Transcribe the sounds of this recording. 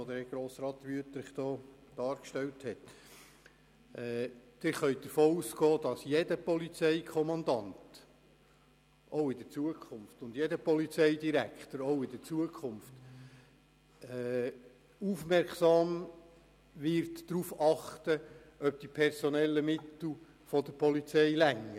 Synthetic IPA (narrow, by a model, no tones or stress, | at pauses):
od̪ɛɡ̥ɾoːsɾɑːt̪ʋyət̪ɾɪχd̥̪ɔːd̥ɑːɾkʃtɛlthɛt̪ | ɛd̥ɪɾχœʏd̪̥əɾfoːuːsɡ̥ɔːd̥̪ɑsjedəpɔlit͡sɛɪkʰɔmɑnd̪ɑnt | ʔoʊɪd̥̪ət͡suəkʰχʊmft̪ʊnd̥jedəpɔlit͡sɛɪdiɾækt̪əɾoʊɪdət͡suəkʰχʊmft | ɛ | ufmɛɾksɑːm | ʋɪɾtdɾuːfɑχtə | œp̚d̥ipʰɛɾsɔnɛlːəmɪt̪l̩ˠ | fɔd̪əɾpʰɔlit͡sɛɪlæŋːə